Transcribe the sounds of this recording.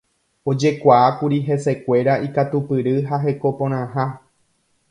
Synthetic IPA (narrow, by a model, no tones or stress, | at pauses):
o̞d͡ʒe̞kʷaakuɾiɦe̞se̞kʷe̞ɾaikat̪upɨɾɨɦaɦe̞ko̞põ̞ɾ̃ãɦa